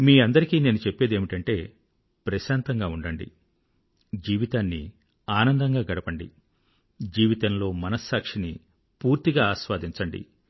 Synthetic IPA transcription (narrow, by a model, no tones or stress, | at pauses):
miːɐnd̪ɐɾikiːne̞ːnut͡ʃepːe̞ːd̪e̞ːmiʈɐɳʈe̞ː | pɾɐʃaːnt̪ɐŋɡaːuɳɖɐɳɖḭ | d͡ʒiːʋit̪aːnːḭ | aːnɐnd̪ɐŋɡaːɡɐɽɐpɐɳɖḭ | d͡ʒiːʋit̪ɐnlo̞ːmɐnɐsːaːkʂini | puːɾt̪iɡaːaːʃʋaːd̪iɲt͡ʃɐɳɖḭ